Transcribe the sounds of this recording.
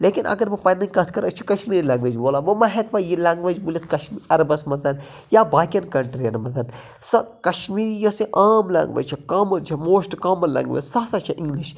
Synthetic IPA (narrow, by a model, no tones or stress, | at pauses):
leːkinʔɐ̰ɡɐɾmɐpɐnɐkɐt̪ʰkɐɾɐt͡ʃʰi̥kɐʃmiːɾilaːŋɡʋɐd͡ʒboːlaʋɐmɐɦekʋɐjilɐːŋɡʋɐd͡ʒbulʲit̪ʰkɐʃmiɐɾɐbɐsmɐt̪ɐn | jaːbaːkʲɐnkɐɳʈɾijɐnmɐzɐn | sɐkɐʃmiːɾijosiʔaːmlɐ̰̃ːŋɡʋɐ̰d͡ʒt͡ʃʰikaːmɐnt͡ʃʰɐmoːsʈkaːmɐnlɐ̰̃ːŋɡʋɐ̰sɐsɐt͡ʃʰɐʔĩŋɡliʃ